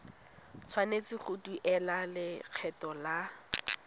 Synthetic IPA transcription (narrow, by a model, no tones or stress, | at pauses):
t͡sʰwanet͡sɪχʰʊtuʔɛlalɪq͡χʰɛtɔla